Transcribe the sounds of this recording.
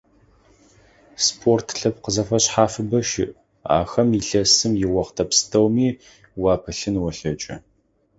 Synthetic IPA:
spʰoːrtʰɬɐpqəzɐfɐɕħaːfɨbɐʃɪ̰ʔ | a̰ːxɐmiɬɐsɨmjɪwɐχtʰɐpstʰɐwmiː | wɑːpʰɨɬɨnwɐɬɐt͡ʃʼɐ̰

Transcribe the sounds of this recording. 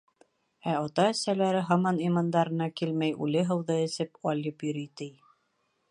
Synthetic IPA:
æɒt̪ɑɘ̆sælæɾɘɦɑmɑnimɑnd̪ɑɾɤ̆nɑkilmæjʉ̰lɘɦɤ̆wðɤɘ̆sɘpɑlʲɤpjɵ̆ɾit̪ɘj

